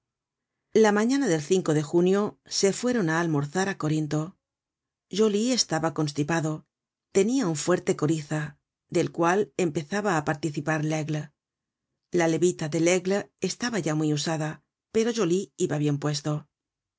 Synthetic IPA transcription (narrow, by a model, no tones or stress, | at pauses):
lamãɲanaðe̞lθiŋko̞ðe̞xunjo̞se̞fwe̞ɾo̞naːlmo̞ɾθaɾako̞ɾint̪o̞ | ʒolie̞st̪aβako̞nst̪ipaðo̞ | t̪e̞niauɱfwe̞ɾt̪e̞ko̞ɾiθa | d̪e̞lkwale̞mpe̞θaβaːpaɾt̪iθipaɾleɣl | lale̞βit̪aðe̞leɣle̞st̪aβaʝamwiusaða | pe̞ɾo̞ʝoliiβaβje̞mpwe̞st̪o̞